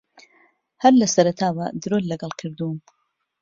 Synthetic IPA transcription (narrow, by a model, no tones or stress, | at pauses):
hɐɾlɐsɐɾɐt̪ʰaːbad̪ɾollɐɡɐlˠkʰɨɾd̪um